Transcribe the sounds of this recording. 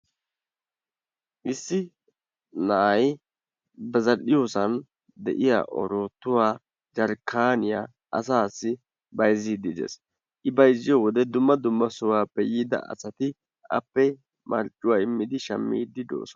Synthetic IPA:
ʔɪsːɪ | nɐʔɐj | bɐzɐɗɪjosɐn | d̪ɛ̰ʔɪja̰ːʔɔ̰ɾoːt̪ːʊwaː | d͡ʒɐɾkʰːaːnɪja̰ː | ʔɐ̰s̬aːsːɪ | bɐjziːd̪ɪd̪ḛːs | ʔɪbɐjzːɪjɔːwɔd̪ɛd̪ʊmːɐd̪ʊmːɐsʊwaːpːɛjiːd̪ɐ̰ʔɐ̰sɐt̪ɪ | ʔɐ̰pːɛ | mʔɐ̰ɾt͡ʃʼːʊwaːɪmːɪd̪ɪʃɐmːḭːd̪ɪd̪o̰ːsɔnɐ

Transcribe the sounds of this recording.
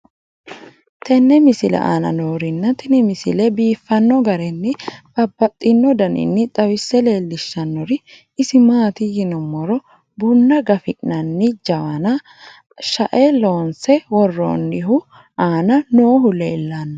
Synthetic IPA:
t̪ʰɛnːɛmɪsɪlɛ̰ʔa̰ːnɐ̰noːɾɪnːɐt̪ɪnɪmɪsɪ̰lɛbiːfːɐnːɔɡɐɾɛnːɪb̥ɐbːɐt̪ʼːɪnːɔd̪ɐnɪ̰nːɪt̪ʼɐwɪsːɛle̞ːlːɪʃːɐnːɔɾɪː | sɪmaːt̪ɪjɪnɔmːɔɾɔ | bʊnːɐɡɐfɪʔnɐnːɪd͡ʒɐwɐnɐ | ʃɐʔɛlo̞ːnsɛwɔrːo̰ːnːɪɦʊ | ʔaːnɐnoːɦʊleːlːanːɐ

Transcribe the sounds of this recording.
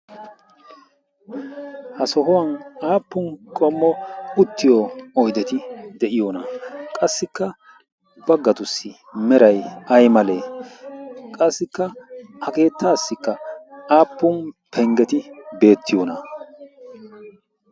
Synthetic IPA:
hɐsɔɦɔwɐnaːpːʊnkʼɔmːɔʊt̪ːɪjɔɔjd̪ɛt̪ɪd̪ɛʔɪjoːnɐkʼɐsːɪkːɐ | b̥ɐɡːɐt̪ʊsːɪ | mɛɾɐjɐjmɐle̞ː | kʼɐsːɪkːɐhɐke̞ːt̪ːaːsːɪkːɐaːpːʊnpʰɛŋɡɛt̪ɪbe̞ːt̪ːɪjoːnɐ̰

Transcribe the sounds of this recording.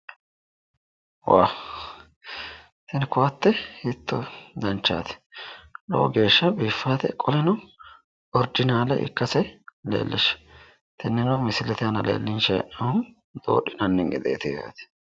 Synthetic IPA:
wa̰ː | t̪ɪnɪkʊwɐt̪ːɛhɪt̪ːɔd̪ɐnt͡ʃːa̰ːt̪ɛ̥lo̰ːɡe̞ːʃːɐbiːfːaːt̪ɛ̰kʼɔlɛnɐ | ɔɾd͡ʒɪnaːlɐʔɪ̰kːɐsɛlḛːlːɪʃ | t̪ɛnːɪŋɐmɪsɪlɛt̪ɪjɐnɐlḛːlːɪnʃɛɛ̰ʔɐʊ | d̪̥o̰ːɗɪnɐnːɪŋɡɛ̰d̪ḛːt̪ɪja̰ːt̪ɛ̥

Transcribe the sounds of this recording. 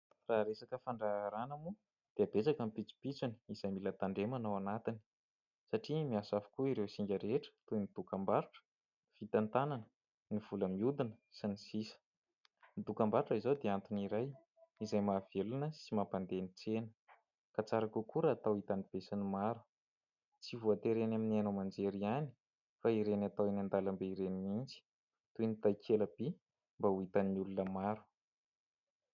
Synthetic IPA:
raɾesakəfaɳɖ͡ʐaɾanamu | d̪̥eab̥et͡sakampit͡si̥pit͡suni̥iz̥ajmilat̪aɳɖ͡ʐemanawanat̪ini̥ | saʈ͡ʂimiasavu̥kuiɾewsiŋɡʲəɾeʈ͡ʂə̥t̪unid̪̥ukambaɾuʈ͡ʂə̥ | fit̪ant̪ananə | niv̥uləmiud̪inəsinisisə̥ | nid̪ukambaɾuʈ͡ʂəizawd̪eant̪uniɾaj | izajmaːv̥elunəsimapand̪eniʈ͡ʂenə̥ | kat͡saɾakukuɾaːt̪awit̪anib̥esinimaɾu̥ | t͡sivuat̪eɾenaminianomand͡ʒeɾiani̥ | faiɾenat̪awinand̪alambeiɾenimind͡zi̥ | t̪ujnit̪ajkʰeləb̥i | mbauit̪aniulunəmaɾu̥

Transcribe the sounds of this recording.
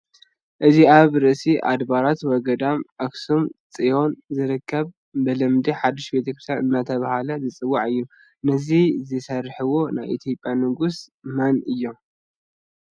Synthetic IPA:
ʔɨziaβɾɨʔsiʔa̰d̪baɾat̪wɔɡɐd̪amʔaksumt͡sʼijo̞nzɨɾɨkːɐβ | bɨlɐmd̪iħad̪ːiʃbe̞t̪ʰɐkɾɨst̪ʰat̪ɨnːat̪ʰɐβahalɐzɨt͡sʼɨwːaʕɨjːu | nɐzizɨsɐrħɨwo̞najʔḭt̪ʰjo̞pʼjamɨɡusmanɨjːo̞m

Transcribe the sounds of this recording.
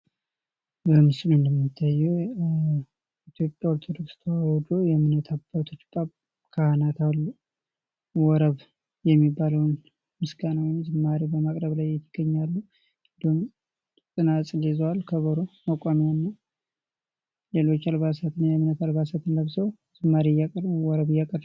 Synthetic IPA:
bəmɨsɨlɨnd̪əmːit̪ʰːajɛw | it̪ʰjo̞pʼjaoɾt̪ʰod̪o̞kst̪ʰwawɔd̪ojɛmɨnət̪ʰabːat̪ʰo̞t͡ʃːbʼaβ | kʰahanat̪alːu | wɔɾəβ | jɛmːibːaləwn | mɨsɡanawmzɨmːaɾibəmakʼɾəβlajːɛt̪ʰːəɡ̥əɲːalːu | kʼɨd̪um | sʼɨnasʼlezwalkʰəβəɾuməkʼamiwnːaw | lelo̞t͡ʃːalβasat̪ɨnːajɛmɨnət̪albasat̪ɨnləβzəw | zɨmːaɾijakʼəɾwɔɾəβɨjːakʼəɾ

